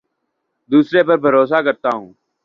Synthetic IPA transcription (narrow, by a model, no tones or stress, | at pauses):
d̪uːsɾeːpəɾbʱəɾoːs̬aːkəɾt̪aːɦũː